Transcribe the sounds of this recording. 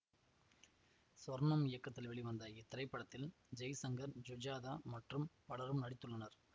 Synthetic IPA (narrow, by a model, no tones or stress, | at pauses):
sɐɾnɐmɪjɐkːɐt̪ːɪlʋɛɭiʋɐnd̪ɐɪt̪ːɪɾɐɪpːɐɽɐt̪ːɪl | d͡ʒɐjsɐŋɡɐɾd͡ʒʊd͡ʒaːðamɐʈrɯmpɐɭɐɾɯmnɐɽɪt̪ːɯɭːɐnɐɾ